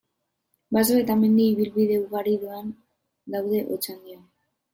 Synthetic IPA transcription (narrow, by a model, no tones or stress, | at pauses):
basoe̞t̪ame̞nd̪iːβ̞ilβiðe̞uɣaɾiðuan | d̪awðe̞ʔot͡sand̪io